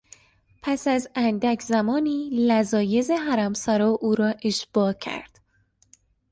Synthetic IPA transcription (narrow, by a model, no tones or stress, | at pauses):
pʰæsæzænd̪ækʰzæmɒːniːlæzɒːjezeɦæɾæmsæɾɒːʔuːɾɒːʔe̞ʃb̥ɒːcʰæ̰ɾd̪̥